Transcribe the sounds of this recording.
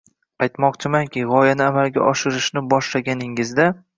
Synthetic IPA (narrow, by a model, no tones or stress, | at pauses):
ajt̪mɒqt͡ʃʰɪmankʲɪʁɒjanɪamalɡʲa̰ʔɒʃɪɾɪʃnɪbɒʃlaɡʲanɪŋɪzd̪a